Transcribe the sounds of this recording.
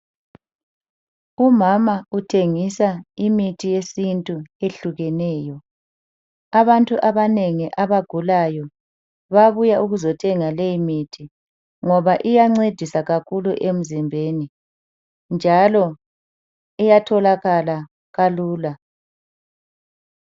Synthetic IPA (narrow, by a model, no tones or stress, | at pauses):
umamautʰeŋisaimitʰijesintʼueɬuɣɛnɛːjɔ | aβantʼuʔaβaneŋiʔaβaɡ̥ʱulajɔ | βaβujaʔuɣuzɔtʰɛŋalejimitʰi | ŋɔβaʔijaŋ͡ǀed̥ʱisaɣakʰuluʔem̩zimbʱeni | nd͡ʒʱalɔ | ɛjatʰɔlaɣala | ɣaluːla